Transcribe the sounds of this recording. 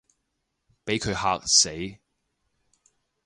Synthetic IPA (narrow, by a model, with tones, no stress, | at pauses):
pe˨˥jkʰɵ˨˧ɥhaː˧k̚se˨˥j